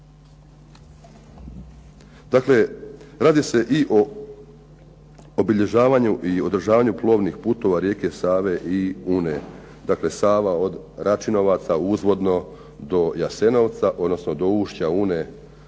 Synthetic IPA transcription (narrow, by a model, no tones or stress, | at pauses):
d̪̥akle̞ɾaːd̪ise̞ʔiʔo | obiʎe̞ʒaːʋaɲuʔio̞d̪r̩ʒaːʋaɲuplˠo̞ːʋnixpuːt̪o̞ʋaɾjeːke̞saːʋe̞ʔiuːne | d̪akle̞saːʋao̞d̪ | ɾʔat͡ʃino̞ʋat̪sauzʋo̞d̪no̞ | d̪o̞jase̞no̞ʋt̪saʔo̞d̪no̞snod̪o̞uːʃt͡ɕaune